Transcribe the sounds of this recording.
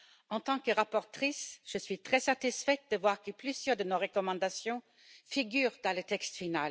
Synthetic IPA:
ɑ̃t̪ɑ̃kəʁapɔʁt̪χisʒ̥əsɥit̪χɛsat̪isfɛt̪̚d̪əvwaʁkəplyzjœʁd̪ənoʁəkɔmɑ̃d̪asjɔ̃ | fiɡyːʁd̪ɑ̃lət̪ɛkst̪final

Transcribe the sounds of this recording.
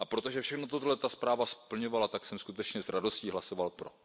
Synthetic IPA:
ʔapɾo̞t̪oʒɛfʃɛxnot̪ot̪oɦlɛt̪aspɾaːvaspl̩ɲo̞valat̪aksɛmskut̪ɛt͡ʃɲɛzɾado̞sciːɦlasovalpɾo̞

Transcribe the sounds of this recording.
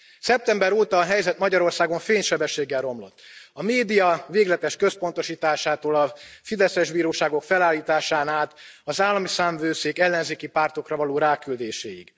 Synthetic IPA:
sɛp̚t̪ɛmbɛɾoːt̪ɒːɦɛjzɛt̪mɒɟɒɾo̞rsaːɡo̞ɱfeːɲʃɛbɛʃːeːɡːɛlro̞mlo̞̰t̪ːɒmeːd̪ijɒveːɡlɛt̪ɛʃkø̞spo̞n̪t̪o̞ʃiːt̪aːʃaːt̪oːlɒfid̪ɛsɛʒbiːɾoːʃaːɡo̞kfɛlaːlːiːt̪aːʃaːnaːt̪ɒzaːlːɒmisaːɱvøːseːkɛlːɛnzeːkipaːrt̪o̞krɒvɒloːɾaːkyld̪eːʃḛːjḭɡ

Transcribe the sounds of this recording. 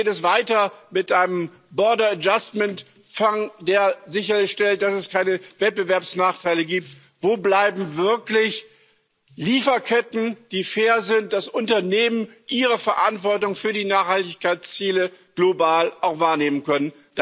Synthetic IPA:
tɛsv̥aɪtɐmɪtʔaɪnəm | bɔɐdɐad͡ʒastmɛnt | faŋdeːɐzɪçɐlɪçʃtɛlt̚d̥asɛskʰaɪnəvɛt̚b̥əvɛɐpsnaːχtʰaɪləɡiːp̚t | voːblaɪbm̩vɪɐklɪç | liːfɐkʰɛtn̩d̥iːfeːɐzɪnt̚d̥asʔʊntɐneːmənʔiːʁəfɛɐʔa̰ntv̥ɔɐtʊŋfyːɐdiːnaːχhaltɪçkaɪt͡st͡siːləɡ̥lobaːlʔaʊxv̥aːɐneːmənkœnən | d̥

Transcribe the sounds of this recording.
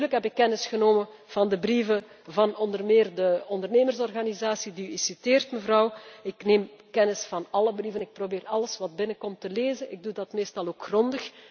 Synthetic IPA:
yːrləkɦɛpɪkːɛnɪsxənoːmən | v̥ɑndəbrivə | vɑnɔndərmeːrdəɔndərneːmərsɔrɣanizaːsidiyɪsiteːrtməvrɑwɪkneːmkɛnɪsfɑnɑləbrivənɪk̚probeːɾɑləsʋɑt̚bɪnəkɔmtəleːzənɪ̰ɡ̚dudɑtmeːstɑlˠoːkxrɔndəx

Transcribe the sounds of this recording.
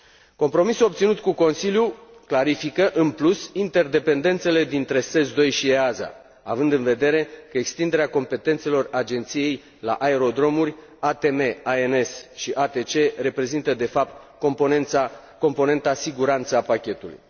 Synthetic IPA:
ko̞mpɾo̞misuo̞p̚t̪sinut̪kuko̞nsiljuklaɾifikəʔɨnplusint̪e̞rd̪e̞pe̞nd̪e̞nt̪se̞le̞d̪int̪ɾe̞se̞zd̪o̞jʃieaza̰ | avɨnd̪ɨnve̞d̪e̞ɾe̞kəekst̪ind̪e̞ɾeako̞mpe̞t̪e̞nt̪selo̞rad͡ʒe̞nt̪sije̞j | la̰ʔae̞ɾo̞d̪ɾo̞murʲ | at̪e̞me̞aenesʃiʔat̪e̞t͡ʃe̞re̞pɾe̞zint̪əd̪e̞fap̚t̪̚ | kopa | ko̞mpo̞ne̞nt̪asiɡuɾant̪səapakʲe̞t̪ulṵj

